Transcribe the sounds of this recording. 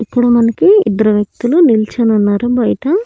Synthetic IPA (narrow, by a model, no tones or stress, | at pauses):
ipːuɽumɐnɐkiḭd̪ɐɾɐʋjɐk̚t̪ulunilt͡ʃɐnɐnːaːɾubɐjt̪ɐ